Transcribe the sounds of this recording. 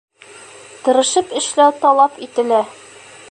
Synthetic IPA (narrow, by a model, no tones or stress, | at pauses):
t̪ɤ̆ɾɤ̆ʃɤpɘ̆ʃlæwt̪ɒlˠɑpit̪ɘ̆læ